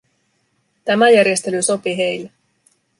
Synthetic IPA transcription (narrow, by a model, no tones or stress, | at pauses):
t̪æmæjæɾje̞st̪e̞lyso̞piɦe̞jlːe